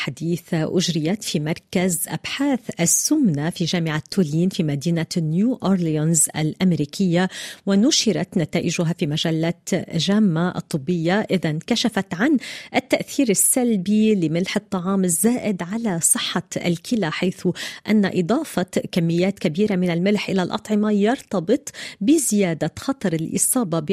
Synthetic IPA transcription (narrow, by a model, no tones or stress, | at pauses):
ħad̪iːθʔʊʒɾɪjat̪fimɑɾˤkazʔa̰bħaːθʔasːʊmnafiʒaːmɪʕat̪ʰːuːliːnfiːmad̪iːnanjuːʔoɾlijanzʔa̰lʔamɾiːkɪjːawɪnʊʃɪɾat̪nat̪aːʔɪʒʊɦafimaʒalːat̪ʒaːmːaʔɑ̰t̪ˤːɨbːɪjːaʔɪðankaʃafat̪ʕanʔɪt̪ːaʔθiːɾɪsːalbilɪmɪlħɨt̪ˤːɑʕɑːmɪzːaːʔɪd̪ʕalasˤɨħːɑ̰lkɪlaħajθʊʔanːaʔɨd̪ˤɑːfɑkamːɪjːaːt̪kabiːɾamɪnalmɪlħʔɪlalʔɑ̰t̪ˤʕɪmajɑɾˤt̪ɑbɨt̪ˤbɪzɪjaːd̪axɑt̪ˤɑɾˤɪlʔɨ̰sˤɑːbɑbɪ